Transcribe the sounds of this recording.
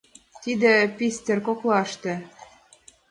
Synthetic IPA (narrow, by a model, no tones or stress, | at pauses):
t̪id̪ĕpʲisʲt̪ʲerkoklɑʃt̪ĕ